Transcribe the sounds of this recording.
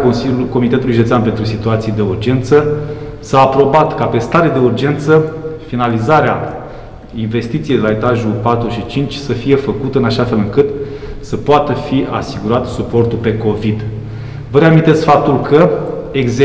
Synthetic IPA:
konsiko̞mit̪e̞t̪uluiʒid̪esʲanpe̞nt̪ɾusit̪uat̪sijd̪e̞urd͡ʒe̞nt̪sə | saːpɾo̞bat̪kape̞st̪aɾe̞d̪e̞urd͡ʒe̞nt̪səfinalizaɾea | inve̞st̪it̪sijej̪d̪elae̞t̪aʒupat̪ɾuʃit͡ʃint͡ʃʲsəfije̞fəkut̪əɨnaʃafe̞lɨŋkɨt̪səpoat̪əfiasiɡuɾat̪supo̞rt̪ulpe̞ko̞vid̪ | vəɾeamint̪et̪sʲfap̚t̪ulkʰə | eɡz

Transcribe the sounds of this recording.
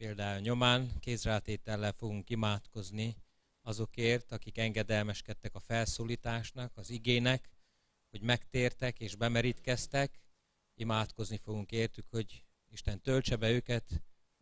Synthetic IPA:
peːld̪aːjɒɲo̞maːnkeːsraːt̪eːt̪ɛlːɛfo̞ɡuŋkimaːt̪ko̞zni | ɒzo̞keːrt̪ɒkikɛŋɡɛd̪ɛlmɛʃkɛt̪ːɛkɒfɛlsuːliːt̪aːʃnɒkɒziɡeːnɛk | ho̞ɟmɛkt̪eːrt̪ɛkeːʒbɛmɛɾit̪kɛst̪ɛk | imaːt̪ko̞znifo̞ɡuŋkeːrt̪ykho̞ɟ | iʃt̪ɛnt̪ølt͡ʃɛbɛøːkɛt̪

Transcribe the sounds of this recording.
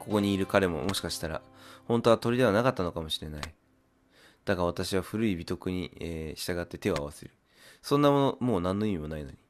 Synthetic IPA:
ko̞ko̞ɲ̟iːɾɯ̟kaɾe̞mo̞̰mo̞ɕi̥kaɕi̥t̪aɾa̰ | hõ̞nt̪o̞at̪o̞ɾʲid̪e̞β̞anakat̪ːano̞kamo̞ɕiɾe̞nai | d̪̥aɡaβ̞at̪aɕiβaɸɯ̟ɾɯ̟ibʲit̪o̞kɯ̟ɲ̟ḭeːɕi̥t̪aɡat̪ːe̞t̪e̞aa̰βasḛɾɯ̟ | sõ̞nːamo̞no̞mo̞ːnãnːo̞imʲimo̞naino̞̰ɲ̟i

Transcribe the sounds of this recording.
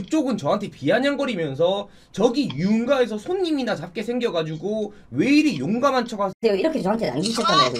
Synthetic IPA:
ɯk̚t͡ɕ͈oɡɯnt͡ɕʌɦantʰe̞piaɲaŋɡʌɾimjʌns̬ʰʌ | t͡ɕʌɡiuɯnɡaesʰʌsʰoɲːiminat͡ɕap̚k͈e̞sʰe̞ŋɡjʌɡad͡ʑuɡo | weiɾijoŋɡamant͡ɕʰʌɡaejoiɾʌkʰet͡ɕʌɦantʰena̰nɡiɕʰʌt͈anaɡ

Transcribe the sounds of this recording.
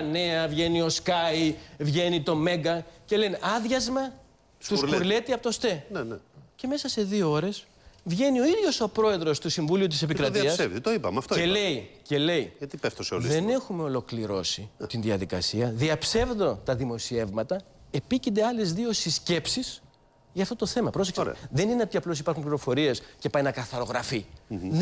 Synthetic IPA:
ne̞ɐvʝe̞nio̞skɐjivʝe̞nit̪o̞me̞ɡɐce̞le̞nɐðʝɐzmɐ | t̪usluɾle̞t̪iɐpot̪ost̪e̞nnce̞me̞sɐse̞ðio̞o̞ɾe̞s | vʝe̞nio̞iðʝo̞so̞pɾo̞e̞ðɾo̞st̪usiɱvuliut̪isep̬ikɾɐt̪iɐsevðit̪oipɐmɐft̪oelle̞ice̞le̞ijɐt̪ipeft̪oseolðene̞xume̞o̞lo̞kliɾo̞sit̪inðiɐðikɐ̰siɐðiɐpse̞vðo̞t̪ɐðimo̞sie̞vmɐt̪ɐ | e̞picind̪e̞ɐle̞zðio̞sisce̞psis | ʝɐːft̪ot̪o̞θe̞mɐpɾo̞seksðe̞nineot̪iɐplo̞s̬i̥pɐɾxumpliɾo̞fo̞ɾie̞sce̞pɐjnɐkɐθɐɾo̞ɣɾɐfi

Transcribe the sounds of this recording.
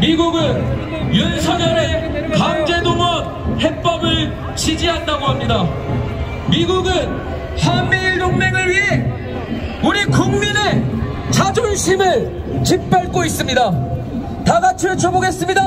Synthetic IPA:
miɡuɡɯn | junsʰaɲʌɾe | kamd͡ʑe̞domʌn̚hep͈ʌbɯɭ | t͡ɕid͡ʑiɦandaɡoɦamɲida | miɡuɡɯn | hammiɭdoŋne̞ŋɯɭɥiɦe | uɾikuŋmine | t͡ɕad͡ʑonɕʰimɯɭ | t͡ɕip̚p͈jʌɭk͈ois͈ɯmɲida | taɡat͡ɕʰet͡ɕʰoboɡe̞s͈ɯmɲida

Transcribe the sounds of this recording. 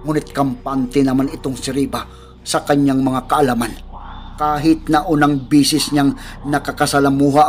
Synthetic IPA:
ŋuːnɪt̪̚kɐmpant̪ɪnɐmanɪt̪oŋsɪɾiːba | sɐkɐɲːaŋmɐŋakɐʔɐlaman | kaːɦɪt̪̚nɐʔunaŋbiːsɪsɲaŋnɐkakɐsɐlamuɦa

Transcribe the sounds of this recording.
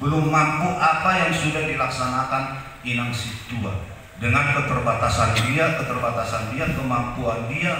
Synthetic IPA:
bəlʊmːampuʔapajaŋsudahdilaksanakan | inaŋsitua̰ | dəŋankət̪ərbat̪asandiakət̪ərbat̪asandiakəmampuandia

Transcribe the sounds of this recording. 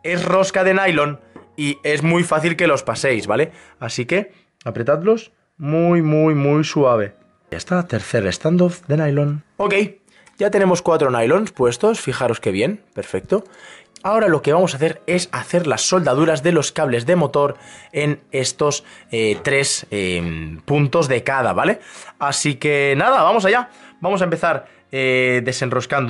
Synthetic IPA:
e̞sro̞skað̞e̞najlo̞nie̞zmujfaθilke̞lo̞spase̞jzβale̞ | asike̞ | apɾe̞t̪at̪lo̞s | mujmujmujsuaβ̞e̞ | a̰st̪at̪e̞ɾθe̞ɾḛst̪and̪oθd̪e̞najlono̞ke̞j | ɟ͡ʝat̪e̞ne̞mo̞skwat̪ɾo̞najlo̞nspwe̞st̪o̞sfixaɾo̞ske̞β̞je̞npe̞ɾfe̞k̚t̪oao̞ɾalo̞ke̞β̞amo̞s̬aθe̞ɾe̞saθe̞ɾlasːo̞ld̪að̞uɾazðe̞lo̞skaβ̞le̞zðe̞mo̞t̪o̞ɾe̞ne̞st̪o̞set̪ɾe̞sempunt̪o̞zðe̞kað̞aβale̞asike̞naðaβamo̞s̬aʝabamos̬aempe̞θaɾ | eðe̞se̞nro̞skand̪o

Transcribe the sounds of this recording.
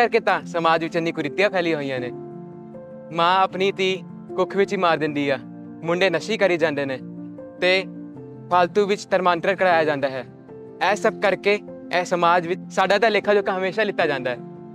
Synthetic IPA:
əɾkeːt̪ãːsəmaːd͡ʒʋɪt͡ʃɪnːiːkʊɾɪt̪ːɪjãːpʰɛːlĩɦoːijãːneː | mãːəpniːt̪iː | kʊkʰʋɪt͡ʃiːmaːɾd̪ɪ̃nd̪iːaː | mʊɳɖeːnəʃiːkəɾiːd͡ʒãːnd̪eːnẽː | t̪eː | pʰaːlt̪uːʋɪt͡ʃt̪əɾmãːnʈɾəɾkəɽaːjaːd͡ʒãːnd̪aːɦɛː | ɛːsəb̚kəɾkeː | ɛːsəmaːd͡ʒʋɪt͡ʃsaːɖãːd̪aːleːkʰːaːd͡ʒoːkãːɦəmeːʃaːlɪt̪ːaːd͡ʒãːnd̪aːɦɛː

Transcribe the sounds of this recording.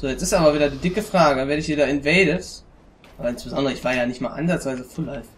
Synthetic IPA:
z̥oːjɛt͡sɪstʔaːbɐviːdɐdiːdɪkəfʁ̥aːɡəaveːɐɾəɪçv̥iːdɐɪnvɛːləs | ʔaːbɐɪnsb̥əzɔndəʁəɪçv̥aːɐjaːnɪçtmaːlʔa̰nzatt͡sv̥aɪzəfʊlaɪf

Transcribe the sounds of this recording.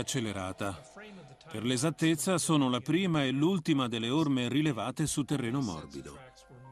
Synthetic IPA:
at͡ʃːelːeɾaːt̪a | perlezat̪ːet̪sːasoːnolapɾiːmaɛlːult̪imad̪elːeormerilevaːt̪esut̪ːerːeːnomɔ̰rbid̪o̰

